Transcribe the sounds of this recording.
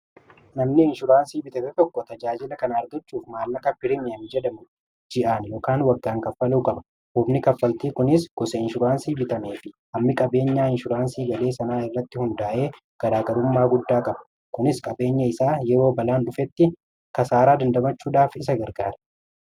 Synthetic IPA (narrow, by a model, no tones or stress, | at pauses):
nɐmnɪɪnʃʊɾaːnsiːbɪt̪ɐmɛt̪ɔkːɔt̪ɐd͡ʒaːd͡ʒɪlɐkɐnaːɾd̪ɐt͡ʃːuːfmaːlːɐkɐpɪɾɪmɪɐmɪd͡ʒɛd̪ɐmʊ | d͡ʒɪʔaːnjɔːkaːnwɐɡːaːŋkɐfːɐluːkʼɐbɐ̥ | hʊbnɪkɐfːɐlt̪iːkʊnɪsɡ̥ɔsɐɪnʃʊɾaːnsiːbɪt̪ɐmeːfɪhɐmːɪkʼɐbe̞ːɲːaːɪnʃʊɾaːnsiːɡɐle̞ːsɐnaːɪrːɐt̪ːɪhʊnd̪aːʔe̞ː | ɡ̥ɐɾaːɡɐɾʊmːaːɡʊd̪ːaːkʼɐbɐ̥ | kʊnɪskʼɐbe̞ːɲːɐɪsaːjɛɾo̞ːbɐlaːnᶑʊfɛt̪ːɪ | kɐsaːɾaːd̪ɐnd̪ɐmɐt͡ʃːuːᶑaːfɪs̬ɐɡɐɾɡaːɾɐ̥